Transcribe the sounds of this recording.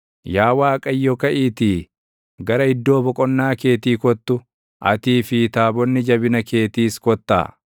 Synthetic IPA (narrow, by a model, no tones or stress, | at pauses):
jaːwaːkʼɐjːɔkɐʔiːt̪iː | ɡɐɾɐɪd̪ːo̞ːbɔkʼɔnːaːke̞ːt̪iːkɔt̪ːʊ | ʔɐ̰t̪iːfɪt̪aːbɔnːɪd͡ʒɐbɪnɐke̞ːt̪iːskɔt̪ːa̰ː